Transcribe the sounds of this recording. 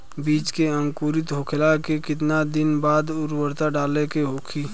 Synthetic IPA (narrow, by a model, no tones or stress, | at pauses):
biːt͡ʃkeə̃ŋkuːɾɪt̪ɦokʰelakekɪt̪nad̪ɪnbaːd̪ʊɾwəɾt̪aɖaːlekeɦokʰiː